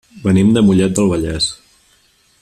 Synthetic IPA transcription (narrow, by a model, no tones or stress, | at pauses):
bənimd̪əmuʎɛt̪̚d̪əlˠβəʎɛs